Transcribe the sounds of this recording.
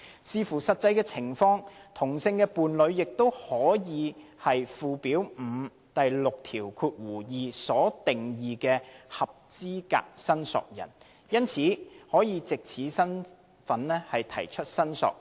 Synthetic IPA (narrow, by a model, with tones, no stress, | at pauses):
siː˧fuː˨˩sɐ˨t̚t͡sːɐ˧jkɛː˧t͡sʰɪ˨˩ŋfɔː˧ŋt̪ʰʊ˨˩ŋsɪ˧ŋkɛː˧puː˨nlɵ˨˧ɥjɪ˨k̚t̪o˥whɔː˨˥jiː˨˧hɐ˨jfuː˨piː˨˥wm̩ː˨˧ | t̪ɐ˨jlʊ˨k̚t̪ʰiː˨˩wkʰuː˧t̚wuː˨˩jiː˨˩sɔː˨˥t̪ɪ˨ŋjiː˨kɛː˧hɐ˨p̚t͡siː˥ka̰ː˧k̚sɐ˥nsɔ̰ː˨k̚jɐ̰˨˩n | jɐ˥nt͡sʰiː˨˥hɔː˨˥jiː˨˧t͡sɪ˨k̚t͡sʰiː˨˥sɐ˥n | fɐ˨˥nlɛː˥hɐ˨jt̪ʰɐ̰˨˩jt͡ʃʰɵ˥t̚sɐ˥nsɔ̰ː˨k̚